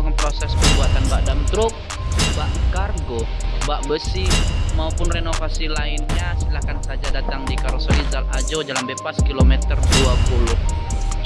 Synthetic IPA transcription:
kapɾosɛspərbuat̪anbaʔdamt̪ɾʊk̚ | baʔkarɡo | baʔbəsimaupʊnrenofasilaɪnɲasilahkansad͡ʒadat̪aŋdikaɾsoizalad͡ʒod͡ʒalambepaskilomɛt̪ərduapulʊh

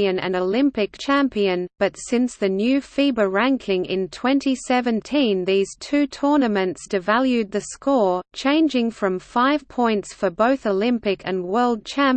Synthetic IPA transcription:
ɨ̃nɨ̰̃nəlɪ̃mpɨk̚t͡ʃʰæ̃mpiɨ̃nb̥ʌtsɪ̃nsðɨnjʉfibəɹæ̃ŋkʰɪ̃ŋɪ̰̃ntʰw̥ɛ̃ntʰisɛvɨ̃ntʰĩnðiz̥tʰʉtʰɔɹnɨmɨ̃ntsd̥ɨvælˠjʉd̪̚ðɨskɔɹt͡ʃʰẽɪ̃nd͡ʒɪ̃ŋfɹʌ̃ɱfaɪv̥pʰɔ̃ɪ̃ntsfə˞boʊθəlɪ̃mpɨkʰɨ̃nwɜ˞lˠd̚t͡ʃʰæ̃m

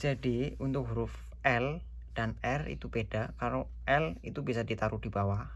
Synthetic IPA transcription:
d͡ʒ̥adiunt̪ʊkɦɾʊf | ɛl | d̥anɛrḭt̪ub̥ed̥akaɾo | ɛlḭt̪ubisadit̪aɾud̥ibawa

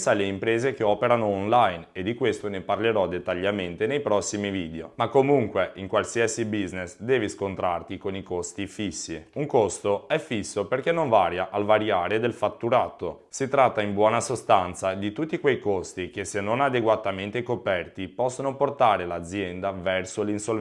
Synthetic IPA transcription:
saleimpɾeːzek̟eɔːpeɾanoːnlajned̪ːikwest̪oneparleɾɔd̪et̪ːaʎːament̪enejpɾɔsːimiviːd̪eomakːomuŋkweʔiŋkwalsiasibiznesd̪ɛːviskont̪ɾart̪ikonikost̪ifisːiuŋkost̪oɛfisːoperkenːoɱvaːɾjaʔalvaɾjaːɾed̪elfat̪ːuɾaːt̪osit̪ɾat̪ːaimbwɔːnasost̪ant̪sad̪it̪ut̪ːikwejkost̪ik̟esenːonad̪eɡwat̪ament̪ekopɛrt̪ipɔsːonoport̪aːɾelad̪zjɛnd̪avɛrsolinsol

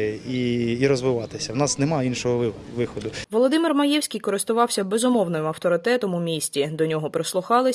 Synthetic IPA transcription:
iːɾɔzʋɪʋɑt̪ɪsʲɐwnɑsnemɑinʃɔɦɔ | ʋɪxɔd̪ʊʋɔlˠɔd̪ɪmɪrmɐjɛwsʲkʲijkɔɾɪst̪ʊʋɑwsʲɐbezʊmɔwnɪmɐwt̪ɔɾɪt̪ɛt̪ɔmʊmʲisʲtʲid̪ɔnʲɔɦɔpɾeslˠʊxɑlˠɪ

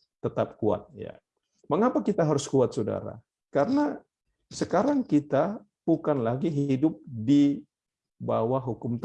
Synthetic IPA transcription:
t̪ət̪ap̚kua̰t̪̚ja̰ | məŋapakit̪aɦaɾʊskuat̪̚soda̰ɾa̰ | kaɾəna | səkaɾaŋkit̪a | b̥ukanlaɡiɦidʊp̚di | bawaɦukʊmt̪

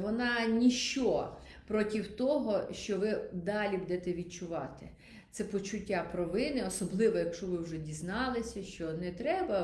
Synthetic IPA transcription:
ʋɔnɑnʲiʃt͡ʃɔ | pɾɔtʲiwt̪ɔɦɔʃt͡ʃɔʋɪd̪ɑlʲibud̪ɛt̪ɛʋʲid̪̚t͡ʃʊʋɑt̪ɪ | t̪sɛpɔt͡ʃʊtʲːapɾɔʋɪnɪɔsɔblˠɪʋɔjɐkʃɔʋɪwʒɛdʲiznɑlˠɪsʲɐʃt͡ʃɔnɛt̪ɾɛbɐ

